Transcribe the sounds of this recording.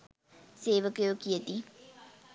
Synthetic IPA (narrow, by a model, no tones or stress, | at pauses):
seːʋəkəjʋəkijət̪i